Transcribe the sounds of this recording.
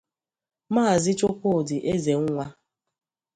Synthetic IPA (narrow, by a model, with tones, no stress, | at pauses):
maː˦˨zɪ˦t͡ʃʊ˦kʷo˦˨dɪ˨ʔe˦ze˨ŋ̩˦ŋʷa˦